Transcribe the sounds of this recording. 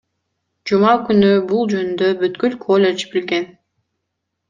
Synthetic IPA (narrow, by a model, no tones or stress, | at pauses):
d͡ʒumɑkynybulˠd͡ʒønynd̪øbyt̪kylkʰolʲet͡ʃbilɡen